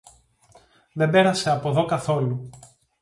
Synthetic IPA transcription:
ðe̞mbe̞ɾɐse̞ɐpo̞ðo̞kɐθo̞lu

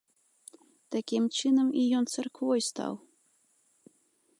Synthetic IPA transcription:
t̪akʲimt͡ʂɨnɐmijɔnt̪sɐrkvɔjst̪a̰w

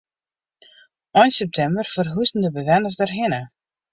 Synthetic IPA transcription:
ɔjnsɛp̚tʰɛmbərfərɦuzən̩dəbəʋɛnəsdɛrɦɪnə

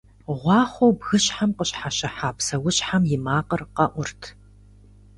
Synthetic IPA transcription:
ʁʷɑːχʷowbɣɨɕħamqəɕʼħaʃɐħaːpsɐwɕʼħamjɪmaːqərqɐʔʷʊrtʰ

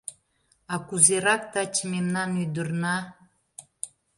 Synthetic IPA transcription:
ɑkuzeɾɑkt̪ɑt͡ɕəmemnɑnyjd̪ərnɑ

